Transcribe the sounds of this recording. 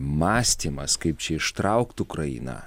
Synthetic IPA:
mɑːsʲt̪ʲiːmɐskɐɪp̚t͡ʃʲɛɪʃt̪ɾɐʊkt̪ʊkɾɐjḭːnɐ̰

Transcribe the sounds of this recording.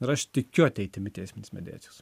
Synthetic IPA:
ɪɾɐʃt̪ʲɪkʲʊɐt̪ʲɛɪt̪ʲɪmʲɪt̪ʲɛɪsʲmʲɪnʲɪsmʲɛ̰d̪ʲæ̰ːtsʲɪos

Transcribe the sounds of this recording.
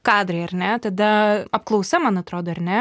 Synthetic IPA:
kɑːd̪ɾʲeɪɐrʲnʲɛt̪ɐd̪ɐɐp̚klˠɐʊsʲɛmɐnɐt̪ɾoːd̪oːɐɾnʲɛ

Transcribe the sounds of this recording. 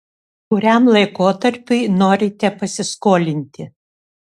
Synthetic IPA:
kʊɾʲæmlˠɐɪkoːt̪ɐɾʲpʲʊɪnoːɾʲɪt̪ʲɛpɐsʲɪskoːlʲɪnʲt̪ʲɪ

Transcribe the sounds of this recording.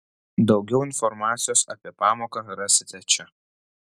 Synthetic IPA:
d̪ɒʊɡʲɛʊɪnfɔɾmɑːt̪sʲɪjoːsɐ̰ːpʲiɛpɑːmoːkɐɾɐsʲɪt̪ʲɛt͡ʃʲɛ

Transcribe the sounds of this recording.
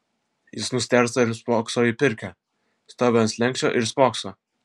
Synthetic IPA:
jɪsnʊsʲt̪ʲæɾsɐɪɾspɑːksoːjipʲɪɾʲkʲæ | st̪ɑːbʲɛnslʲɛŋʲkʲt͡ʃ̪ʲo̰ːʔɪɾspɑːkso

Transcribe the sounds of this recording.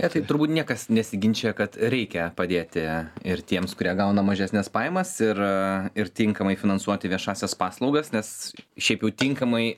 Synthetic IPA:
ɛt̪ɐɪt̪ʊɾbuːt̪nʲiɛkɐsnʲɛsʲɪɡʲɪnʲt͡ʃʲeːjɛkɐt̪ɾʲɛɪkʲɛpɐd̪ʲeːt̪ʲɪɪrt̪ʲiɛmskʊɾʲiɛɡɐʊnɐmɐʒʲɛsʲnʲɛspɑːɪmɐsɪɾɪɾt̪ʲɪŋkɐmɐɪfʲɪnɐnsuɔt̪ʲɪʋʲiɛʃɑːsʲɛspɑːslˠɒʊɡɐsnʲɛsʃʲɛɪpjɛʊt̪ʲɪŋkɐmɐɪ

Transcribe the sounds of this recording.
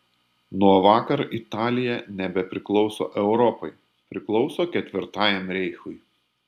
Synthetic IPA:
nuɔʋɑːkɐɾʔɪt̪ɑːlʲɪjɛnʲɛbʲɛpʲɾʲɪklˠɒʊso̰ːʔɛʊɾɔpɐɪ | pʲɾʲɪklˠɒʊsoːkʲɛt̪ʲʋʲɪɾt̪ɑːjɛmɾʲɛɪxʊj

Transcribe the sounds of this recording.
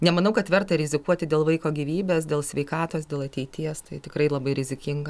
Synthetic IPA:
nʲɛmɐnɐʊkɐt̪ʋʲɛrt̪ɐɾʲɪzʲɪkuɔt̪ʲɪd̪ʲeːlˠʋɐɪkoːɡʲiːʋʲiːbʲeːs̬d̪ʲeːlˠsʲʋʲɛɪkɑːt̪oːsd̪ʲeːlˠɐt̪ʲɛɪt̪ʲiɛst̪ɐɪt̪ʲɪkɾɐɪlˠɐbɐɪɾʲɪzʲɪkʲɪŋɡɐ

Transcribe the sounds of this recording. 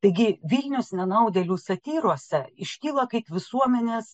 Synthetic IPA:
t̪ɐɪɡʲɪʋʲilʲnʲɛʊsnʲɛnɐʊd̪ʲɛlʲuːsɐt̪ʲiːɾuɔsʲɛɪʃʲkʲiːlˠɐkɐɪpʋʲɪsuɔmʲɛnʲeːs

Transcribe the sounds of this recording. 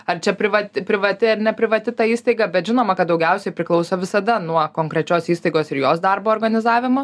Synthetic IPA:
ɐrt͡ʃʲɛpʲɾʲɪʋɐt̪ʲɪpʲɾʲɪʋɐt̪ʲɪɐrnʲɛpʲɾʲɪʋɐt̪ʲɪt̪ɐiːst̪ɐɪɡɐbʲɛt̪ʒʲɪnoːmɐkɐt̪̚d̪ɐʊɡʲɛʊsʲɛɪpʲɾʲɪklˠɐʊsoːʋʲɪsɐd̪ɐnuɔkoːŋkɾʲɛt͡ʃʲoːsiːst̪ɐɪɡoːsɪɾjoːsd̪ɐrboːrɡɐnʲɪzɑːʋʲɪmʊ

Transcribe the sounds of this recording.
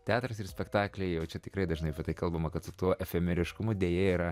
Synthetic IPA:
t̪ʲæːt̪ɾɐsɪrsʲpʲɛkt̪ɑːklʲɛɪjɛʊt͡ʃʲɛt̪ʲɪkɾɐɪd̪ɐʒnɐɪɐpʲiɛt̪ɐɪkɐlˠbɐmɐkɐt̪sʊt̪uɔʔɛfʲɛmʲɛɾʲɪʃkʊmʊd̪ʲeːjeiːɾɐ

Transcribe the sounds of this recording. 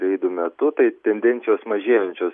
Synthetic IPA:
ɾʲɛɪd̪umʲɛt̪ʊt̪ɐɪt̪ʲɛnʲd̪ʲɛnʲt̪ʲɪjoːsmɐʒʲeːjɛnʲt͡ʃʲoːs

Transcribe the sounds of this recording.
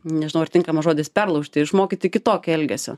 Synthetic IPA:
nʲɛʒʲɪnɐʊɐɾrt̪ʲɪŋkɐmɐʒoːd̪ʲɪspʲɛrlˠɐʊʃʲt̪ʲɪɪʃmoːkʲɪt̪ʲɪɪkʲɪt̪oːkʲɛɛlʲɡʲɛsʲo̰ː

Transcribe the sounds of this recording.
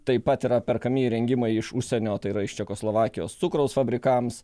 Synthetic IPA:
t̪ɐɪpɐt̪iːɾɐpʲɛɾkɐmʲiɾʲɛŋʲɡʲɪmɐɪɪʃʊʃʲsʲɛnʲoːt̪ɐɪiɾɐɪʃt͡ʃʲɛkoːslˠoːʋɑːkʲɪjo̰ːst̪sʊkɾɐʊsfɐbʲɾʲɪkɐms

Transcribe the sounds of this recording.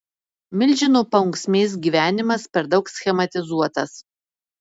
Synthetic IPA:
mʲɪlʲˑd͡ʒʲɪnuːpɐʊŋksʲmʲeɪs̬ɡʲiːʋʲæːnʲɪmɐspʲɛɾd̪ɒʊksʲxʲɛmɐt̪ʲɪzuɔt̪ɐs

